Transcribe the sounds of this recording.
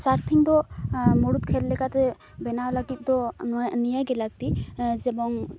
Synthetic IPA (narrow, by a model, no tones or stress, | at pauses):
saɾpʰiŋd̪ɔmɔɽut̪̚kʰɛllːɛkat̪ɛ | bɛnawlaɡit̪̚ˀd̪ɔnɔjnijaɡɛlaɡ̚t̪id͡ʒɛbɔŋ